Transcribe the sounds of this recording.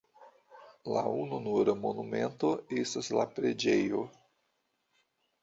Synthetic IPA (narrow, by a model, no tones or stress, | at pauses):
laununuɾamonument̪oestaslapɾed͡ʒejo